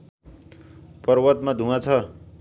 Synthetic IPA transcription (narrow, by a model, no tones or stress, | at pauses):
pʌɾwʌt̪mad̪ʱũat͡sʰʌ